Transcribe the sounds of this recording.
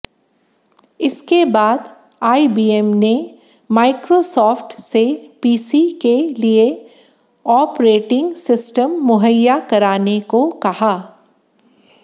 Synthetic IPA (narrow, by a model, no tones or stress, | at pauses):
ɪskebaːd̪ | aːibiːɛmne | maːɪkɾosɔːfʈsepiːsikelie | ɔːpɾeːʈɪ̃ŋɡsɪsʈəmːʊɦəjːakɐɾaːnekokɐhaː